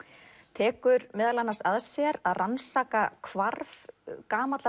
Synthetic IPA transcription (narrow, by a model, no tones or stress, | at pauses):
t̪ʰɛːkʏɾmɛːðalanːasaðsjɛɾaðransaːkakʰvaɾvkaːmat̪la